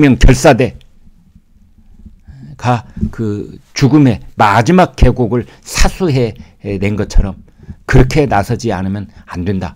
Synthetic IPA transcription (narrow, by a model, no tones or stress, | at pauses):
mjʌŋkjʌɭs͈ade̞ | kakɯt͡ɕuɡɯme̞mad͡ʑimak̚k͈e̞ɡoɡɯɭ | sʰasʰuɦe̞ | ne̞nɡʌt͡ɕʰʌɾʌm | kɯɾʌkʰe̞nasʰʌd͡ʑia̰nɯmjʌnandwe̞nda